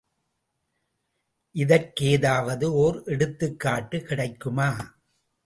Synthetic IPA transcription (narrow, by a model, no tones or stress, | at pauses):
ʔɪðɐɾkeːðaːʋɐðɯoːɾʔɛɽɯt̪ːɯkːaːʈːɯkɪɽɐɪkːɯmaː